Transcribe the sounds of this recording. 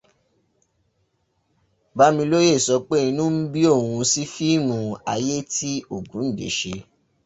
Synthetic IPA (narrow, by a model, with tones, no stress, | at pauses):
ba˦mĩ˧lo˦je˦˨sɔ˨˧k͡pe˦˨ĩ˧nũ˦n̩˦bi˦o˦˨wũ˧si˦fi˦mũ˧a˧je˦tʰi˦o˦˨ɡũ˨˦n̩˦˨dḛ˨˦ʃe˧